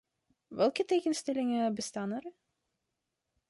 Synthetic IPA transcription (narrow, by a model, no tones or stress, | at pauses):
ʋɛlˠkətejɣənstɛlɪŋəbəstaːnər